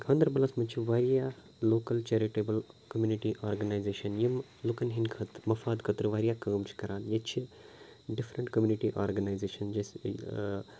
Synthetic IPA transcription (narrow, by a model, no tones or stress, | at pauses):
kʰãːnd̪ɾbɐlaːsmɐt͡ʃʰiʋaːɾijaː | loːkɐlt͡ʃeːɾiʈeːbɐlkɐmjuːniʈiʔaːɾɡɐnaːjzeːʃɐnjim | lukɐnɦinkʰɐt̪mɐfaːd̪kʰɐt̪ɾɨʋaːɾijaːkɐːmt͡ʃʰi̥kɐɾaːnjet͡ʃʰi | ɖifɾəɳʈkɐmjuniʈiʔaːɾɡɐnaːjzeːʃɐnd͡ʒes